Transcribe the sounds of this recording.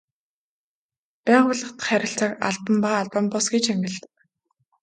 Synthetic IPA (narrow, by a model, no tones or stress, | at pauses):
pæːʁʊːɮə̆χt̪χæɾʲɪ̆ɬt͡săːka̰ɮpə̆mpaːɮpampɔsɡet͡ɕæmɡʲɪ̆ɮt̪ə̥̆k